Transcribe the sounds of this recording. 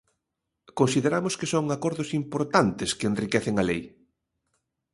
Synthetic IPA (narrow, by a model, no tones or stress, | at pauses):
konsiðeɾamʊskɪsoŋakɔɾðʊsimpoɾt̪ant̪ɪskeenrikɛθɪŋɐlej